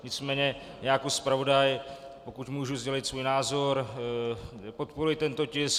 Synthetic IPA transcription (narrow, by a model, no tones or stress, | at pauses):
ɲɪt͡smɛːɲɛ | jaːjakospɾavo̞dajpokuc̪muːʒuzɟɛlɪt̪svuːjnaːzo̞ɾ | pot̪̚poɾujɪt̪ɛnt̪o̞cɪs